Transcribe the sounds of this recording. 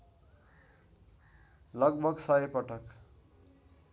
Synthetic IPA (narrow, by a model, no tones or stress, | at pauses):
lʌɡbʱʌɡsʌɦepʌʈʰʌk